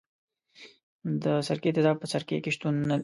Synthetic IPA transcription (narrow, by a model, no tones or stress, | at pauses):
d̪əsaɾket̪ɪd̪ɑpəsaɾkḛkeʃt̪unː